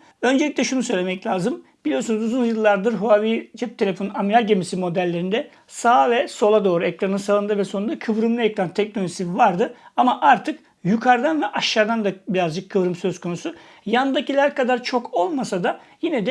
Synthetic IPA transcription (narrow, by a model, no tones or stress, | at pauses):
ø̞nd͡ʒeicʲtlʲɛʃunusø̞jlʲemɛclʲaːzɯm | b̥ilʲijo̞sunuzuzunjɯlˠːaɾd̪ɯɾɦuavid͡ʒɛp̚t̪ʰee̞fo̞nunamiɾʲalʲɟemisimo̞d̪ælʲːe̞ɾind̪ɛ | saːvɛso̞lˠad̪o̞ːɾuɛkɾanɯnsalˠɯnd̪ɯvɛso̞nund̪akʰɯvɾɯmlˠajaklˠant̪ʰɛc̚nolʲoʒisivaɾd̪ɯamaʔaɾt̪ʰɯk | jukʰaɾd̪anvɛʔaʃːaɾd̪and̪abiɾazd͡ʒɯkʰːɯvɾɯmsø̞z̥kʰo̞nusu | jand̪acilʲæɾkad̪aɾt͡ʃʰo̞kʰo̞lˠmasad̪ajinɛd̪ɛ